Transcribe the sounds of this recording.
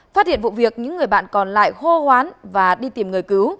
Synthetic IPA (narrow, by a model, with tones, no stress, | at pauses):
faː˦˥t̚hḭ˧˨ənvṵ˧˨vi˨˩ək̚ɲɨ̰˧˥ŋːɨ˨˩əjɓa̰ː˧˨nkɔ˨˩nla̰ː˧˨jxo˧hwaː˨˦nvaː˨˩ɗi˧t̪i˨˩mŋɨ˨˩əjkɨ˨˦w